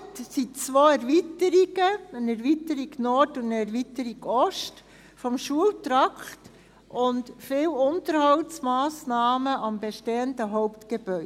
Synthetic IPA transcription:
tsit͡sʋoːɛɾvitəɾiɡəənɛɾvitəɾiɡnɔɾdʊndəɛɾvitəɾiɡ̥ɔʃt | fɔmʃuəltɾɑkt | ʔʊntfɪːwʊntəɾhɑltsmɑːsnɑːməʔɑmbeʃteːəndəɦɔʊpt̪ɡ̥eb̥œʏ

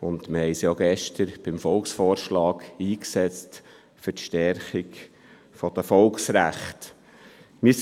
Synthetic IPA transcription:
ʊnd̪məhɛɪsjɑɡɛʃtəɾb̥ɪmfɔlksfɔːɾʃlɑːkiːksɛt͡st | fʏtʃtɛɾχik | fɔd̥̪əfɔlksɾæ̰χt | mɪ

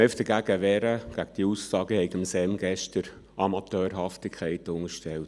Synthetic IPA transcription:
œft̪əɡ̥æɡ̥əʋɛɾəɡ̥æɡəd̥iusːɑːɡəhɛɪkɪmsɛmɡɛʃtəɾ | ʔɑmɑt̪øːɾɦɑftɪkʰɛɪtʊŋəɾʃtɛlt

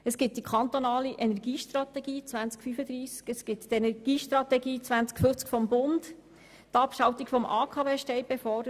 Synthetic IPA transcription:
əsɡ̥ɪt̚d̥̪ikʰɑnt̪onɑːliʔɛnɛɾɡiːʃtrɑt̪ɛɡiːt͡sʋænt͡skfyfəd̪ɾiːskəsɡ̥ɪttɛnɛɾɡ̥iːʃtrɑt̪ɛɡiːt͡sʋænt͡skfyt͡skfɔmbʊnd | t̪ɑpʃɑwt̪ikfɔmʔɑːkʰɑːveːʃtɛɪb̥ɛfɔdə

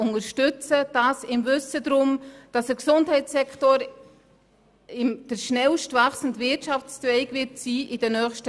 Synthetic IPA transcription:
ʊŋəɾʃtʏt͡səd̥ɑsɪmvʏsədɾʊmd̥ɑsəɾksʊnthɛɪsɛktoɾ | ɪmd̥əɾʃnɛlʃtvɑχsən̩tvɪtʃɑft͡stʋɛɪɡvɪtsiːʔɪd̥ənœːχʃtə

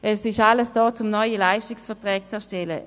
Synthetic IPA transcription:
ʔɛsɪʃaləsd̥ɔːt͡sʊmnɔʏəlaɪʃtɪksfɛɐtʁɛːkt͡sɛɐʃtɛlə̰

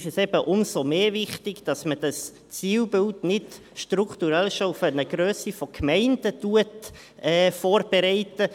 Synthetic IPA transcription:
ɪʃɛsɛbəʔʊmsomeːvɪχtɪɡd̥ɑsməd̥ɑs | t͡siːlbɪltnɪt | ʃtruktuɾɛlʃoufənəɡ̥ɾøːsifɔkʰmɛɪndətuət | ɛːfoːrb̥eɾɛɪtə

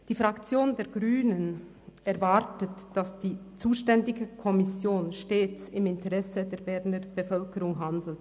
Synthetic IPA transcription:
d̥iːfʁ̥akt͡sjoːndeːɐɡʁyːnən | ɛʁvaʁtətd̥asd̥iːt͡suːʃtɛndɪɡəkʰɔmɪsjoːnʃteːt͡sɪmɪntəʁɛsədeːɐbɛʁnəb̥əfœlkəʁʊŋɦandl̩t

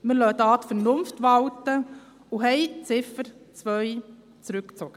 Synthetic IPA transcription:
məlœːd̪ɑːt̪fəɾnʊmftʋɑltə | uɦɛjt͡sɪfəɾt͡sʋœʏ | t͡sɾʉkt͡soɡ̥ə

